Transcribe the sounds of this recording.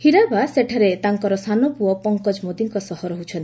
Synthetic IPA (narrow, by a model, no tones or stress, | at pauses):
hiɾabaseʈʰaɾet̪aŋkɔɾɔsanɔpuɔpɔŋkɔd͡ʒmod̪iŋkɔsɔhɔɾɔɦut͡ʃʰɔnt̪i